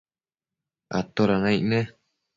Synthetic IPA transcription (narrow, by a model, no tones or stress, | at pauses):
a̰t̪oɾanãiʔnẽ